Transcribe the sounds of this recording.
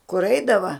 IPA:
kʊr ˈɛɪdɐʋɐ

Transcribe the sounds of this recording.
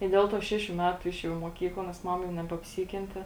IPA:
ɪ ˈdʲeːlˠ ˌtuɔ ˈʃʲæːʃʲʊ ˈmʲæːtʊ ˈɪʃʲeːˌjɛʊ ɪ muɔˈkʲiːklˠɐ nʲɛs ˈmɑːmɐ nʲɛbʲɛɐpʲˈsʲiːkʲɛnʲtʲɛ

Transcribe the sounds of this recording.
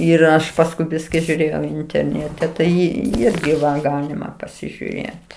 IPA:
ɪr ˈɐʃ pɐsˈkʊɪ ˈbʲɪsʲkʲɪ ʒʲuːˈrʲeːjɛʊ ɪnʲtʲɛrʲˈnʲeːtʲɛ ˈtɐɪ ˈɪrʲɡʲɪ ʋɐ ˈɡɑːlʲɪmɐ pɐsʲɪʒʲʊˈrʲeːt

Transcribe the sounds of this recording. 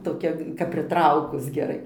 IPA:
toːˈkʲɛ kɐp pʲrʲɪˈtrɐʊkʊs ɡʲɛˈrɐɪ

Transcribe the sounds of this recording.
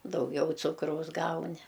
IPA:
dɐʊˈɡʲɛʊ ˈt͡sʊkrɐʊs ˈɡɐʊnʲɪ

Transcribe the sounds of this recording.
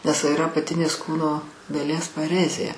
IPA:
nʲɛs ɪˈrɐ ɐpɐˈtʲɪnʲeːs ˈkuːnoː dɐˈlʲiɛs pɐˈrʲæːzʲeː

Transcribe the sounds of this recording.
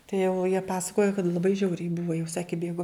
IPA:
tɐɪ jɛʊ jiɛ ˈpɑːsɐkoːjoː kɐt lˠɐˈbɐɪ ˈʒʲɛʊrʲɛɪ ˈbʊʋoː jɛʊ ˈsɑːkʲɪ kɐɪ ˈbʲeːɡoː

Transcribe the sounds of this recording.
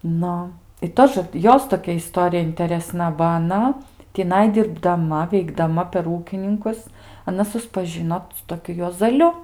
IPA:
ˈnʊ ɪ ˈtoːʒə ˈjoːs toːˈkʲɛ ɪˈstoːrʲɪjɛ ɪnʲtʲɛrʲɛˈsnɐ bɐ ɐˈnɐ tʲɪˈnɐɪ dʲɪrbdɐˈmɐ ʋʲɛɪɡdɐˈmɐ pʲɛr ˈuːkʲɪnʲɪŋkʊs ɐˈnɐ sʊspɐˈʒʲɪnoː sʊ toːˈkʲʊ juɔzɐˈlʲʊ

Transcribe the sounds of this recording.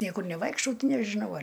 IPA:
ˈnʲiɛkʊr nʲɛˈʋɐɪkʃtɐʊ ˈtʲɪ nʲɛʒʲɪˈnɐʊ ˈɐr

